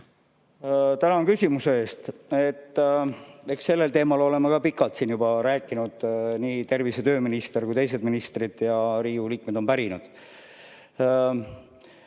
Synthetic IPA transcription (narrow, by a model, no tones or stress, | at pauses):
t̪ænɑŋkysʲimuse̞e̞ːst̪et̪ːe̞kse̞lːe̞lt̪e̞ːmɑlo̞le̞mɑkɑpikːˑɑlt̪siːnjubɑɾæːkːˑinud̪̥niːt̪e̞rvise̞t̪øːminist̪e̞rkujt̪e̞js̬e̞d̪minist̪rid̪̥jɑɾiːuliːk̚me̞d̪̥o̞mpæɾinud̪̥